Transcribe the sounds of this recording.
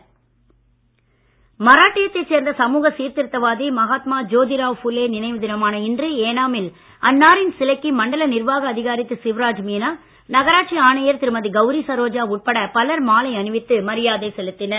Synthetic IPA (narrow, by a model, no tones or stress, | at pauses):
mɐɾaːʈːɪjɐt̪ːɐɪseːɾnd̪ɐsɐmuːɣɐsiːɾt̪ɪɾɯt̪ːɐʋaːðimɐɣaːt̪maːd͡ʒoːðɪɾaːʋfʊleːnɪnɐɪʋɯðɪnɐmaːnɐɪndrieːnaːmɪl | ɐnːaːɾɪnsɪlɐkːimɐɳɖɐlɐnɪɾʋaːɣɐːðɪɣaːɾɪt̪ːɯsɪʋɾaːd͡ʒmiːnaː | nɐɣɐɾaːʈʂiaːɳɐjɐɾt̪ɪɾɯmɐðiɡɐʋɾisɐɾoːd͡ʒaːʊʈ̚pɐɽɐpɐlɐɾmaːlɐɪɐnɯʋɪt̪ːɯmɐɾɪjaːðɐɪsɛlɯt̪ːɪnɐɾ